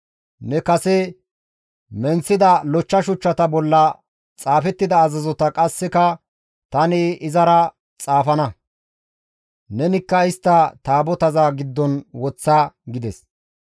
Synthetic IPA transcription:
nɛkɐsɛ | mɛnt͡sːɪd̪ɐlɔt͡ʃːɐʃʊt͡ʃːɐt̪ɐbɔlːɐ | t͡sʼaːfɛt̪ːɪd̪ɐːzɐzɔt̪ɐkʼɐsːɪkɐ | t̪ɐnɪʔɪzɐɾɐ | t͡sʼaːfɐnɐ | nɛnɪkːɐɪst̪ːɐt̪aːbɔt̪ɐzaɡɪd̪ːɔnwɔt͡sːaɡɪd̪ɛs

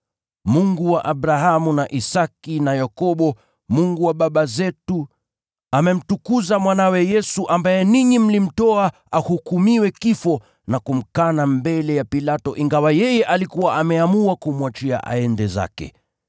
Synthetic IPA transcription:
muŋɡuwaʔabɾaɦamunaʔisakinajakɔɓɔ | muŋɡuwaɓaɓazɛtu | amɛm̩tukuzamwanawɛjɛsuʔambajɛniɲim̩lim̩tɔa | ahukumiwɛkifɔ | nakum̩kanambɛlɛjapilatɔʔiŋɡawajɛjɛʔalikuwaʔamɛamuakumwat͡ʃia̰ʔa̰ɛndɛza̰kɛ̰

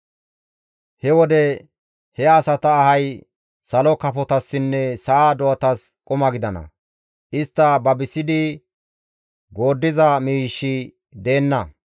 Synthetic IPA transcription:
hɛwɔd̪ɛ | hɛɐsɐt̪ɐːhɐj | sɐlɔkɐpɔt̪ɐsːɪnːɛsɐːd̪ɔɐt̪ɐskʼʊmɐɡɪd̪ɐnɐ̰ | ʔɪst̪ːɐbɐbɪsɪd̪ɪ | ɡo̞ːd̪ːɪzɐmiːʃːɪ | d̪e̞ːnːɐ

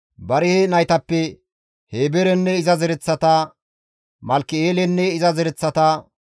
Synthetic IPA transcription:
bɐɾɪhɛnɐjt̪ɐpːɛ | heːbɛɾɛnːɛɪzɐzɛɾɛt͡sːɐt̪ɐ | mɐlkːɪeːlɛnːɛɪzɐzɛɾɛt͡sːɐt̪ɐ

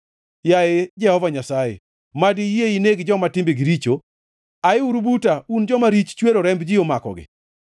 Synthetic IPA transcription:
jaed͡ʒɛhɔvaɲasajḛ | madieineɡd͡ʒɔmatɪmbeɡɪɾit͡ʃo | aɪuɾubutaund͡ʒɔmaɾit͡ʃt͡ʃweɾoɾɛmbd͡ʒɪomakɔ̰ɡɪ̰

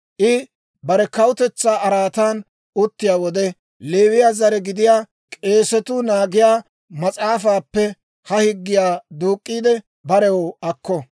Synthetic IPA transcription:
ʔɪ | bɐɾɛkɐwʊt̪ɛt͡sːaːʔɐɾaːt̪aːn | ʊt̪ːɪjaːwɔd̪ɛ | le̞ːwɪjaːzɐɾɛɡɪd̪ɪjaː | kʼe̞ːsɛt̪ʊnaːɡɪjaː | mɐt͡sʼaːfaːpːɛ | hɐhɪɡːɪjaːd̪uːkʼːiːd̪ɛ | bɐɾɛwoɐkːɔ

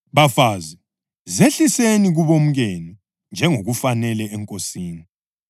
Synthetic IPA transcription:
βafaːzi | zeɬiseniɣuβom̩ɣeni | nd͡ʒʱɛŋoɣufanɛlɛɛŋkʼosiːni

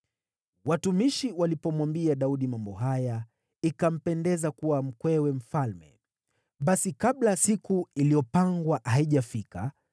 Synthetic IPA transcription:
watumiʃiwalipɔmwambiaɗauɗimambɔɦaja | ikam̩pɛndɛzakuwam̩kwɛwɛm̩falmɛ̰ | ɓasikaɓlasikuilijɔpaŋɡwahaiʄafika̰

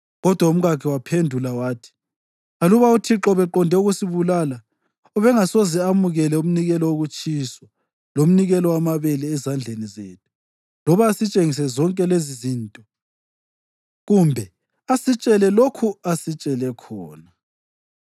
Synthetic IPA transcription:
ɣɔd̥ʱwaum̩ɣakʰiwapʰendʱulawaːtʰi̥ | aluβautʰiǁɔβɛǃɔndʱɛuɣusiβulala | ɔβɛŋasozɛamuɣɛlɛum̩niɣɛlɔwoɣut͡ʃʼiswa | lom̩niɣɛlɔwamaβɛlɛːzand͡ɮʱenizeːtʰu̥ | lɔβaːsit͡ʃʼeŋis̬ɛzɔŋkʼɛlezizintʼɔ | ɣumbʱɛ | asit͡ʃʼɛlɛlokʰuasit͡ʃʼɛlɛkʰɔːna

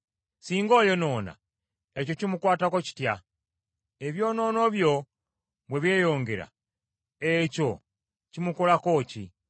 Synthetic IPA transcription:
siːŋɡo̞ːjo̞no̞ːna̰ | eco̞cimukwaːtakoci̥tja | eβjo̞no̞ːno̞βjo̞ | bweβje̞jo̞ːŋɡe̞ɾa̰ | eco̞ | cimukolako̞cḭ

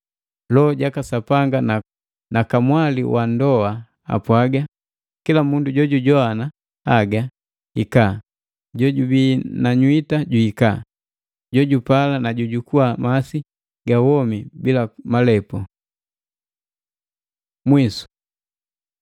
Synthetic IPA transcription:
lɔːɟakasapaŋɡana | nakamwalḭwandɔa | a̰pwaɡa | kilamunduɟɔɟuɟɔana | aɡa | ika | ɟɔɟubinaɲwitaɟuika | ɟɔɟupalanaɟuɟukuamasi | ɡawɔmibilamalɛpɔ | mwisu̥

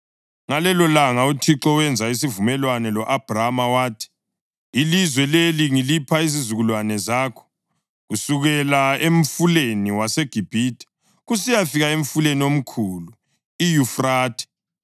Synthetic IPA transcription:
ŋalɛlɔlaŋautʰiǁɔwɛnd͡zʱais̬ivumɛlwanɛlɔʔab̥ʱramawaːtʰi̥ː | lizwɛleliŋilipʰaizizuɣulwanɛzaːkʰɔ̥ | ɣusuɣɛlaemɱ̩fuleniwaseɡ̥ʱib̥ʱiːtʰɛ̥ | ɣusijafiɣaeɱ̩fuleniom̩kʰulu | ijufraːtʰɛ̥

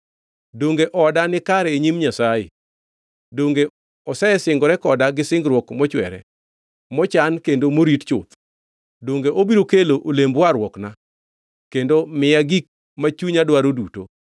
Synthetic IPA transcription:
doŋɡeʔɔdanɪkaɾɛeɲimɲasajḛ | doŋɡe | ɔsɛɛsɪŋɡɔɾɛkɔdaɡɪsɪŋɡɾwɔkmɔt͡ʃwɛ̰ɾɛ̰ | mɔt͡ʃankendomoɾitt͡ʃʊt̪ | doŋɡeʔobiɾokeloʔolembwaɾwɔkna | kendomɪjaɡik̚ | mat͡ʃuɲadwaɾoduto̰

